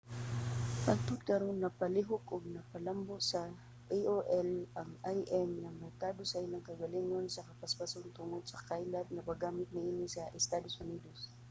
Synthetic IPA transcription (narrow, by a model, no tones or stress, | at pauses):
pɐɡ̪̚t̪ʊt̪̚kɐɾonːɐpɐlɪɦʊkʊɡ̚nɐpɐlamboʔsɐ | ʔiʔoʔɛlʔɐŋʔajʔɛmnɐmɛɾkaːd̪osɐʔɪlaŋkɐɡɐliŋonsɐkɐpɐspasont̪ʊŋod̪sɐkajlɐt̪̚nɐbɐɡaːmɪt̪̚nɪʔiːnɪsɐʔɛst̪aːd̪osʊniːd̪os